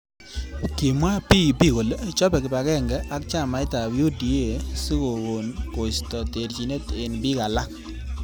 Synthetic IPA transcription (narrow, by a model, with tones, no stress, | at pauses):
ki˨mwa˦pi˦˨pi˦˨ko˨lt͡ʃɔ˦pɛ˨kɪ˨ba˨kɛ˦˨ŋɡɛ˦ʔa˦kt͡ʃa˦˨ma˨ɪ˦ta˨wju˦di˨e˦˨su˦ko˨ɣo˨nko˨stɔ˨te˨ɾt͡ʃi˨ne˦te˨nbi˦ka˨la˦